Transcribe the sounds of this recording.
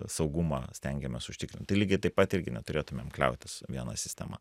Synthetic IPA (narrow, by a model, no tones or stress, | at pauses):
sɐʊɡumɑːsʲt̪ʲɛŋʲɡʲɛmʲɛsʊʃʲt̪ʲɪkɾɪnʲt̪ɐɪlʲiːɡʲɪt̪ɐɪpɐt̪ɪɾʲɡʲɪnʲɛt̪ʊɾʲeːt̪ʊmʲḛːmklʲɛ̰ʊt̪ʲɪsʋʲiɛnɑ̰sʲɪsʲt̪ʲɛ̰mɐ̰